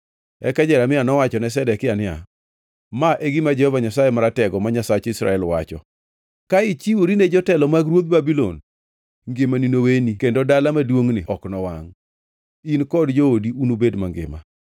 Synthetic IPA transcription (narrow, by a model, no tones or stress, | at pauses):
ɛ̰kad͡ʒɛɾamɪanɔwat͡ʃɔnɛs̬ɛdɛkɪanɪa̰ | maʔeɡimad͡ʒɛhɔvaɲasajemaɾatɛɡɔmaɲasat͡ʃisɾa̰ɛlwa̰t͡ʃɔ̰ | kaɪt͡ʃiwoɾined͡ʒɔtɛlɔmaɡɾwot̪̚babilo̰n | ŋɡɪmaninowenikendodalamadwoŋnɪʔɔknɔwaŋ | inkɔdd͡ʒoodiunobedma̰ŋɡɪ̰ma̰